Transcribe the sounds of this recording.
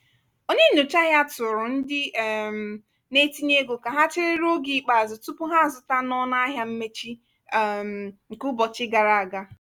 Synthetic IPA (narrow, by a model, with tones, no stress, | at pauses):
o˦ɲe˦nu˨t͡ʃa˦ja˦tʊ˨ɾʊ˨n̩˦dɪ˦˨m˨ | ne˦ti˦ɲe˦ɡo˨ka˨ɦa˦t͡ʃɪ˦ɾɪ˦ɾo˦ɡi˨k͡pa˨zʊ˨tʊ˦pʊ˦ɦa˦˨zʊ˨ta˦nɔ˦na˦ɦja˦m̩˦me˦t͡ʃi˦˨ | m˨ŋ̩˨kʊ˦bɔ˨t͡ʃɪ˦ɡa˨ɾa˨a˨ɡa˦